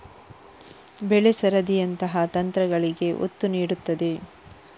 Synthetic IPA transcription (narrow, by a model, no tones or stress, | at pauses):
bɛɭesɐɾɐd̪ijɐnt̪ɐɦɐt̪ɐnt̪ɾɐɡɐɭiɡe̞ʔo̰t̪ːuniːɽut̪ːɐd̪e̞